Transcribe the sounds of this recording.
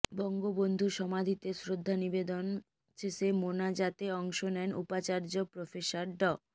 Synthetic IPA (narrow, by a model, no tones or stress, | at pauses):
bɔŋɡobond̪ʱuʃɔmad̪ʱit̪esɾod̪ʱːanibed̪on | t͡ɕʰesemonad͡ʑat̪eɔŋʃonɛnupat͡ɕaɾd͡ʑopɾofeʃaɾɖɔ